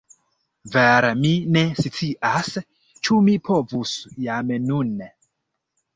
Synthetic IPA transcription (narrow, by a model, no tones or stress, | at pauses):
veɾemine̞sit͡siʔas | t͡ʃumipʰo̞vusjamnun